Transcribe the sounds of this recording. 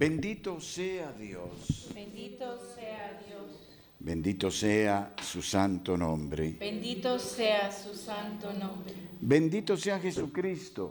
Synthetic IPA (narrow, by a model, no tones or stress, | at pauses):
b̥ẽnd̪it̪oseaðjoseni | os | bẽnd̪it̪oseasusant̪onõmbɾḛbend̪it̪oseasusant̪onobẽnd̪it̪oseaxesukɾist̪o